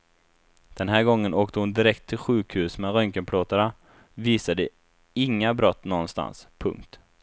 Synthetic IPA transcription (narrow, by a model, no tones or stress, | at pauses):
d̪̥ɛnɦæːɾɡɔŋːənoːkt̪əhʊnd̪ɪɾɛkt̪ʰːɪlɧʉ̟ːkhʉ̟ːsmɛɾœŋkənpʰɽoːt̪aɳa | viːsad̪ə | ɪŋːabɾɔt̪ːnɔnst̪a̰nspʰɵ̰ŋk̚t̪